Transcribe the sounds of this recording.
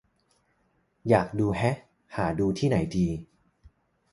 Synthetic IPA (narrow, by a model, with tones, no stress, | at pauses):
jaː˨˩k̚duː˧ɦɛ˦˥ | haː˩˦duː˧t̪ʰiː˥˩na˩˦jdiː˧